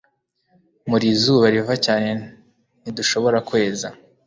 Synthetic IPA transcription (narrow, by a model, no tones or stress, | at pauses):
muɾizuːβaɾivacaːne̞ | niduʃo̞βo̞ɾakwe̞ːza